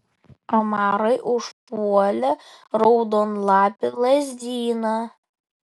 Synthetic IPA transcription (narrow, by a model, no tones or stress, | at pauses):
ɐmɑːɾɐjʔʊʃpuɔlʲɛ | ɾowd̪onlˠɑːpʲɪlˠɐzʲd̪ʲiːnɐ